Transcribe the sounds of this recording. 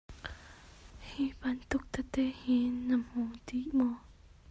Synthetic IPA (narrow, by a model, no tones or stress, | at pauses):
hĩpant̪ʊk̚t̪at̪ehĩnãmhũt̪iʔmɔ